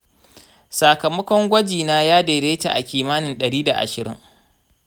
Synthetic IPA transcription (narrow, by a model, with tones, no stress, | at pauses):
sa˨kɐ˨mɐ˦kʷɔ˦ŋɡʷɐ˦d͡ʒiː˨naː˦jaː˦deː˨ɾeː˦ta̰˨ʔa̰˨kʲiː˨maː˦nɪ˨nɗɐ˨ɽiː˦da˨ʔa̰˨ʃɪ˨ɾɪ̰˦ŋ